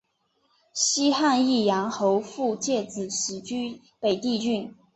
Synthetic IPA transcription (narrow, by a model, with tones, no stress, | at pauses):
ɕi˥xa˥˧ni˥˩jɑ˧˥ŋxo˧˥ʊfu˥˧t͡ɕjɛ˥˩t͡sɹ̩˨˩ɕ̩˨˩t͡ɕy˥ | pe˨˩ɪt̪i˥˧t͡ɕy˥˩n